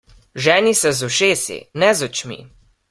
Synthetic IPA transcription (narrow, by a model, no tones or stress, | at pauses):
ʒɛːnisɛzɔʃeːsḭnɛzɔt͡ʃmḭ